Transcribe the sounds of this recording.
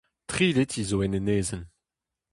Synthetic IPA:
tχiːletʰizoɛneneːzən

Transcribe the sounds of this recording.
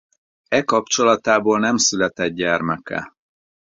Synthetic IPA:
ɛkɒpt͡ʃo̞lɒt̪aːboːlnɛmsylɛt̪ɛd̪̚ɟɛrmɛkɛ̰

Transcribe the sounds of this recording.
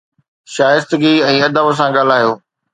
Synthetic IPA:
ʃaːjɪst̪əɡiɛ̃ːɐd̪əbəs̬ãɠaːl̤aːɦijoː

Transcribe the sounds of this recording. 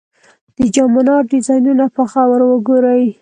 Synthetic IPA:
d̪̥əd͡ʒɑmanɑɖɪzɑjnunapəxawəɾwəɡoɾəj

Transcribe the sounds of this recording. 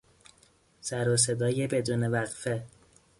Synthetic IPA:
sæɾos̬ed̪ɒːjebe̞d̪uːnevæɣfe

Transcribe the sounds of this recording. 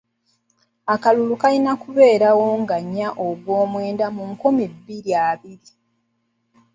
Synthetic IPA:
akalulukalinakuβe̞ːɾawo̞ŋɡaɲːaʔoɡwo̞ːmwe̞ːndamuŋkumibːiɾjaːβiɾi

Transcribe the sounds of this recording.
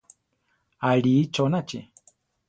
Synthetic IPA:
aɺit͡ʃɔnat͡ʃɛ̰

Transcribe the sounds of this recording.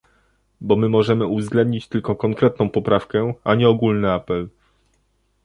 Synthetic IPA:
bɔmɘmɔʐɛmɘuvzɡlɛnd̪̚ɲit͡ɕt̪ɘlkɔkɔŋkɾɛt̪̚nɔ̃w̃pɔpɾafkɛaɲɛɔɡulnɘapɛl

